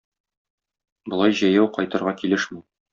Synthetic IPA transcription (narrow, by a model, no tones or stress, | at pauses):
bŏlˠɑjʑɒjæwqɒjt̪ɤ̆ɾʁɑkilɘʃmi